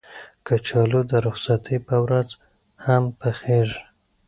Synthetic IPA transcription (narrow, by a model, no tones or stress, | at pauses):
kət͡ʃɑlud̪əɾʊχsat̪ʰipəwɾaz | hampəxeʐ